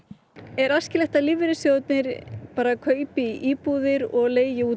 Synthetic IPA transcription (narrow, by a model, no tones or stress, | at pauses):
ɛɾascɪlɛht̪alɪvɪɾɪsjoːwt̪nɪɾ̥paːɾakʰœːɥpɪʔiːpuðɪɾɔɣleːjjɪuː